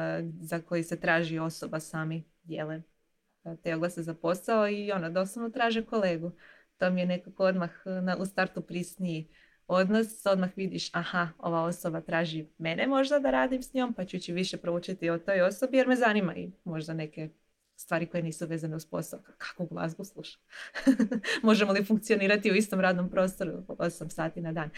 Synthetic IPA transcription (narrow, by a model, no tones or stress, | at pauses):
zako̞jise̞t̪ɾaːʒio̞sobasaːmi | jjele | t̪eoɡlˠasezapo̞saoio̞nod̪o̞saʋnot̪ɾaːʒeko̞le̞ːɡu | t̪omijene̞kakood̪maxnaʔust̪aɾt̪upɾisnii | o̞d̪noso̞d̪maxʋid̪iʃahao̞̰ʋao̞sobat̪ɾaːʒime̞nemo̞ʒd̪ad̪aɾaːd̪imsɲoːmpat͡ɕut͡ɕiʋiʃe̞pɾouːt͡ʃit̪io̞t̪o̞jo̞so̞bije̞ɾme̞zanima̰ḭmo̞ʒd̪ane̞ke̞ | st̪ʋaːɾiko̞je̞niːsuʋe̞ːzaneuspo̞̰sakkʰḁkoɡlˠa̰ːzbuslˠuʃḁ | mo̞ʒemolifuŋk̚t̪sioniːɾat̪iuist̪o̞mɾaːd̪no̞mpɾo̞ːst̪o̞ɾuosamsaːt̪inad̪aːn